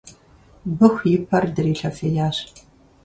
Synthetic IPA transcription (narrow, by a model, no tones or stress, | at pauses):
bɨxʷjɪpʰɐrdɨɾiːɬɐfejaːɕ